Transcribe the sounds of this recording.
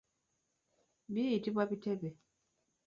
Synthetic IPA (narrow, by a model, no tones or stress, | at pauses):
biitibabitɛbe